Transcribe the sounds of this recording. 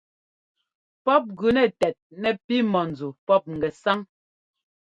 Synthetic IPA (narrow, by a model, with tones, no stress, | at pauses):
pɔ˦p̚ɡʉ˨nɛ˨tɛ˨t̚nɛ˨pi˦mɔ˨n̩˨d͡zu˨pɔ˦p̚ŋ̩˨ɡɛ˨sa˦ŋ